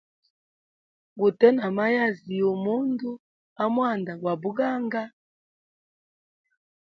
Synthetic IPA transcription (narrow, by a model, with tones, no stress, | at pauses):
ɡu˨tɛ˦na˨ma˦ja˦zi˨jɔ˨mo˦ndu˦ | a˦mwa˦˨nda˨ɡwa˨bu˦ɡa˦ŋɡa˦